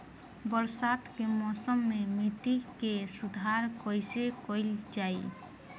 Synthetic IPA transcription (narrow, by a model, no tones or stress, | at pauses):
bəɾsat̪kemɔːsəmːemiʈ̪ikesud̪ʱaɾkojsekoɪld͡ʒaːi